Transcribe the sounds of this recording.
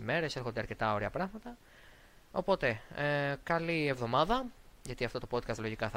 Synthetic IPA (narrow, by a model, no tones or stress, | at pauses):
ime̞ɾe̞se̞ɾxo̞nd̪eɐɾce̞t̪ɐo̞ɾiɐpɾɐɣmɐt̪ɐ | o̞̰po̞t̪e̞kɐlievðo̞mɐðɐʝɐt̪iɐft̪o̞t̪o̞po̞t̪̚kɐst̪lo̞ʝikɐθɐ